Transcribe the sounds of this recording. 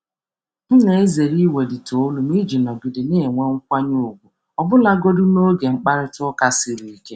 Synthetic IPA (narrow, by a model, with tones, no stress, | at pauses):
m̩˦ne˨e˦ze˨ɾi˦we˨di˨to˨˦lu˨mi˦d͡ʒi˨nɔ˨bi˨dɪ˨ne˦e˨ŋʷe˦ŋ̩˦kʷa˦ɲo˦˨o˨ɡʷu˨ | ɔ˨bʊ˦la˦ɡo˦dʊ˦no˦ɡe˨ŋ͡m̩˦k͡pa˦ɾɪ˦tʊ˦ɔ˦ka˨sɪ˦ɾi˨i˨ke˦